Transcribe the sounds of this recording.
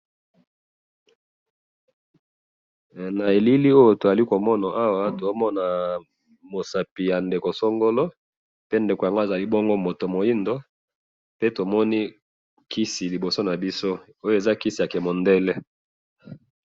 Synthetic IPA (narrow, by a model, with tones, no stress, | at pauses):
na˨e˨li˦li˦o˦jo˨to˨za˨li˦ko˨mɔ˦na˨ʔa˦wa˦to˨˦mɔ˦na˨ | mo˨sa˨pi˨ja˨nde˨ko˨so˦ŋɡo˦lo˦ | pe˦nde˨ko˨ja˨ŋɡo˦˨za˨li˦bo˦ŋɡo˦mo˨to˨mo˨ji˦ndo˦ | pe˦to˨mɔ˦ni˦ | kʰi˦si˨li˨bo˨so˦na˨bi˦so˦ | o˦jo˦e˨za˦ki˦si˨ja˨kɛ˨mo˨ndɛ˦lɛ˦